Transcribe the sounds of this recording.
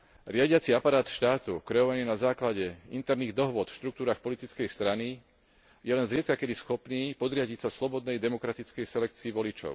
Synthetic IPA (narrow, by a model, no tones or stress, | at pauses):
ɾɪaɟɪat͡siapaɾaːt̪ʃt̪aːt̪ukɾɛɔʋaniːnazaːklaɟɛḭnt̪ɛɾniːɣd̪ɔɦʋʊɔt̪fʃt̪ɾuk̚t̪uːɾaːxpɔlit̪it͡skɛjst̪ɾani | jɛlɛnzɾɪɛt̪̚kakɛd̪isxɔpniːpɔd̪ɾɪaɟicsaslɔbɔd̪nɛjd̪ɛmɔkɾat̪it͡skɛjsɛlɛkt͡siːʋɔlit͡ʃɔ̰ʊ